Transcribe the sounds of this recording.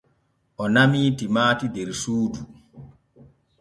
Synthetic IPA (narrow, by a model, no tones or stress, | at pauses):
ʔɔnamiːtimaːtidɛɾsuːdu